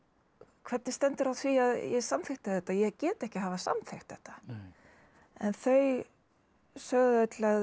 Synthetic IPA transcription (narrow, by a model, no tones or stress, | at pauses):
kʰv̥ɛt̪nɪst̪ɛnt̪ɪɾawθviaðjɛɣsamθɪht̪ɪðθɛt̪ːajɛɣcɛːt̪ɛhcɪɦavasa̰mθext̪ɛht̪ːḁ | ɛnθœɥ | sœɣðœt̪lɛ